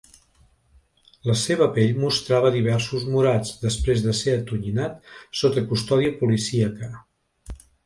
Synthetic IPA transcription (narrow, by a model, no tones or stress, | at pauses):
ləseβ̞əpeʎmust̪ɾaβ̞əðiβ̞ɛɾsuzmuɾad͡zd̪əspɾezðəseət̪uʎinat̪sot̪əkust̪ɔðiəpulisiəkə